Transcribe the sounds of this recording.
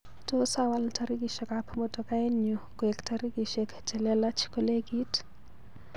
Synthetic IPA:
to˦sawa˨ltʰaɾi˦ki˨ʃa˨kapʰɔmɔtɔ˨ka˦e˦ɲɔ˨kɛ˨ktʰaɾi˦ki˨ʃɛkd͡ʒɛ˨lɛ˦la˦t͡ʃʰi̥kɔ˦le˦ɡi˦t

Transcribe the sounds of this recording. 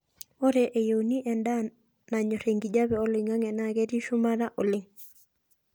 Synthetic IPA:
o˦ɾɛ˨ʔe˨jo˨wni˦ʔɛ˨nda˦ | na˨ɲɔ˨ɾe˨ŋɡi˨d͡ʒa˦βɛ˨o˦lɪ˨ŋa˦ŋɛ˨na˦ɡɛ˦ɾi˦ʃʊ˦ma˦ɾa˦ʔo˨lɪ˦ŋ

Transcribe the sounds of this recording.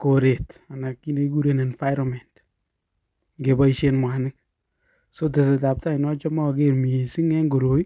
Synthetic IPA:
ko˨ɾe˨ta˨na˨kːi˦ne˦ku˦ɾe˦ne˨nfajɾɔmɛ˨nt | ŋɡe˨ba˦iʃenmwa˨nɪ˦k̚ | so˦t̬e˨s̬e˨ta˨p̚ta˦i˨nɔ˦t͡ʃɔ˦mɔ˦˨ɡe˦ɾmi˨si˦ŋɛ˦ŋɡo˨ɾo˨i˦

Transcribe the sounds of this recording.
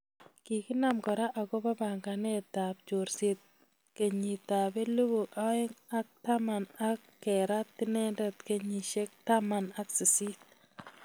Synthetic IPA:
ki˨kɪ˦na˨mkɔ˨ɾa˦ʔa˨ɡɔ˦ba˦ba˨ŋɡa˨nɛ˦t̪a˨b̚t͡ʃo˨ɾse˨t̪̚ | ke˨ɲi˨t̪a˨be˦lu˦bu˨a˦ɪ˦ŋa˦k̚t̪a˦ma˨na˦kːɛ˨ɾa˦t̪ːɪ˦nɛ˦ndɛ˨t̪ke˦ɲi˨ʃe˦k̚t̪a˦ma˨na˦ksi˨si˦t̚

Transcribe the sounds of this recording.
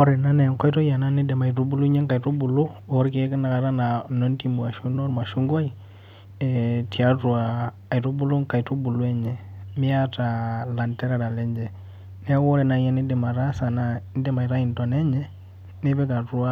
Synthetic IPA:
ɔ˦ɾɛ˨na˦nɛ˨ŋkɔ˦jtɔ˦ja˨na˦ni˦dɛ˨ma˨i˨tu˦bu˦lu˦ɲɛ˦ŋka˨tu˦bu˨lu˦ɔ˨˦ɾke˦ki˦na˨ka˨ɾa˦na˨nɔ˦nti˦mu˨a˨ʃu˦nɔ˦ɾma˨ʃu˦ŋɡo˦i˨ | ɛti˨a˦tu˨aː˨ | jtu˦bu˦lu˦ŋka˨i˨tu˦bu˨lu˦ɛ˦ɲɛ˨mɪ˦a˦ta˨la˨ntɛ˦ɾa˨ɾa˨lɛ˦ɲd͡ʒɛ˨ | nɛ˦wɔ˦ɾɛ˨na˨ja˦ni˦dɛ˨ma˨ɾa˦sa˨na˨˦n˦dɛ˦ma˨i˨ɾa˦i˨nto˨nɛ˦ɲɛ˦ | ne˦bɛ˦ka˨tu˦a˦

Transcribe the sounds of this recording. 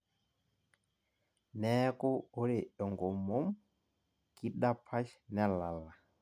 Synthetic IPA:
nɛ˦ku˦u˦li˨ɔ˨ŋɡɔ˨mo˦m | ki˦ɗa˦pʰa˦ʃnɛ˦la˨la˨

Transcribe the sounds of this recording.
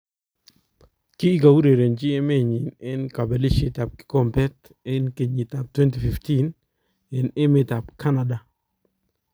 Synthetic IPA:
kɪː˦ka˨wu˦ɾe˨ɾe˨nd͡ʒi˦e˦me˦˨ɲi˨nɛ˦nka˨be˨li˦ʃi˦ta˨p̚kɪ̥˦kɔ˦mpɛ˦t | e˦nke˨ɲi˨ta˨p̚twɛ˦nti˨fi˨fti˦n | ɛ˨ne˦me˦ta˨pkʰa˦na˨da˨

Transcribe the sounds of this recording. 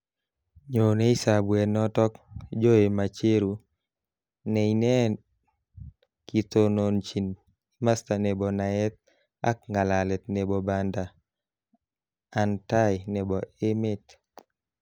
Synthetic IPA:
ɲo˨ne˦i˦sa˨bwɛ˨nɔ˦tɔ˦kd͡ʒo˦e˨ma˨t͡ʃe˦ɾu˨ | nɛ˨inɛ˦ | ki˨t̪o˨no˨nt͡ʃi˨n | ma˦sta˨nɛ˨bɔ˨na˨ɛ˦t̪̚ | a̰˦k̚ŋɡa˨la˨lɛ˨t̪̚nɛ˨bɔ˨ba˨nda˨ | nta˦jnɛ˨bɔ˨e˦me˦t

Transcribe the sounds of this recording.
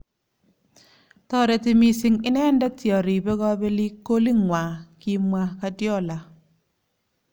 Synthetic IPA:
t̪ɔ˦ɾɛ˨tɪ˨mi˨sɪ˨ŋɪ˦nɛ˦ndɛ˦tjɔ˨ɾɪ˨bɡɔ˦be˦li˦kːo˦li˦ŋwa˨ki˦mwa˦ka˦djɔ˦˨la˨

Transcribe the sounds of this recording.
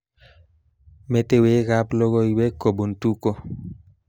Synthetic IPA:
me˨te˦we˦ka˦plo˦ɡo˦iwe˦ko˨bu˨ntu˦ko˦

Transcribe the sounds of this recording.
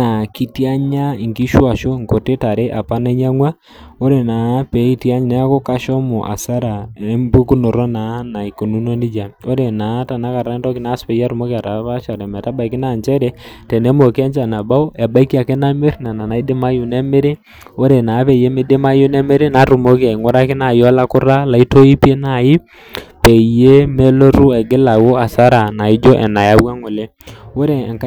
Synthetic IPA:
na˨ki˦tia˦ɲa˦i˨ŋɡi˦ʃwa˨ʃo˦ŋko˨te˦ta˨ɾe˦ʔa˨pa˦ne˦ɲa˦ŋwa˦ | o˦ɾe˨na˨˦pe˨˦i˦tia˦ɲi˦na˦a˦ko˦ka˦ʃɔ˦mo˨ʔa̰˨sa˦ɾa˨e˦mbu˦ku˦no˨ɾɔ˦na˨˦na˨i˨ko˨nu˦no˦ni˦d͡ʒa˨o˦ɾe˨na˨˦ta˨na˦ka˨ɾa˨a˦ndɔ˦ki˦na˨˦spɛ˨ja˦ɾu˨mo˦ka˨ta˨˦βa˦ʃa˨ɾɛ˨mɛ˨ta˦ba˨i˨ki˦na˨ɲd͡ʒɛ˦ɾɛ˦tɛ˨nɛ˦mo˨kɛ˦ɲd͡ʒa˨na˨ba˦o˦ɛ˨ba˦i˦ki˦a˨ke˦na˦me˦ɾna˨na˨na˨i˦de˦ma˦ju˨nɛ˦me˦ɾe˦ | o˦ɾe˨na˨˦βɛ˨je˦me˦de˦ma˦jʊ˦nɛ˦me˦ɾe˦na˨˦ɾu˨mo˦ki˦a˨ŋo˦ɾa˦kɪ˦na˨jɔ˦la˦kʊ˦ɾa˦la˨i˦to˦i˦pe˦na˨jɪ˦ | pɛ˨je˦me˦lo˦ɾu˦ɛ˨ɡɪ˦la˨wo˦a˨sa˦ɾa˨na˨ɪ˦d͡ʒo˦ʔɛ̰˨na˨ja˦wwa˦ŋo˨le˦ | wo˦ɾe˨ŋka˦

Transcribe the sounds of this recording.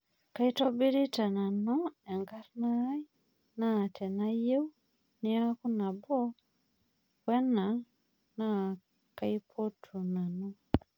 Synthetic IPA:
ka˦i˦tɔ˦bi˦ɾi˦ta˨na˨nɔ˦ɛ˨ŋɡa˦ɾna˦j | na˦˨tʰɛ˨na˦je˦w | nɪ˦a˦ku˦na˨bɔ˦ | wɛ˦na˨ | na˦˨ | ka˦i˦pʰo˦tʰu˨na˨nu˦

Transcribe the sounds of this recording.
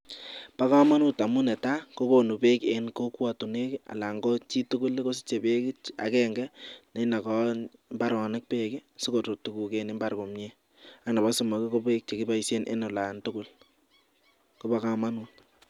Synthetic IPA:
pa˦ka˦ma˦nu˦ta˨mu˦nɛ˨ta˦ko˦ko˨nu˨pe˦ke˨nko˦kwa˨tu˨ne˦ka̰˨la˨ŋɡɔ˦t͡ʃi˦tu˦ku˦leko˦s̬i̥˦t͡ʃe˨pe˦kɪ˦t͡ʃa̰˨kɛ˦ŋɡɛ˦ne˨˦na˨kɔ˦mba˦ɾɔ˨nɪ˦k̚pe˦kɪ˦si˦ko˨to˨tu˨ku˨ke˨ne˦mba˦ɾko˨mɲe˦ | a˨kna˨ba˦so˨mɔ˨ke˦ko˦pe˦k̚t͡ʃe˨ki˦ba˦i˦se˦nʔḛ˦nʊ˨la˨ntʊ˦kʊ˦l | ko˦ba˦ka˦ma˦nu˨t

